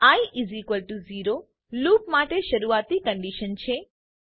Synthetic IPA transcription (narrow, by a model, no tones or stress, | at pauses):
ãiʔizikʋəlʈuziɾo | lupmaʈeʃəɾuat̪ikə̃ɳɖiʃənt͡ʃʰe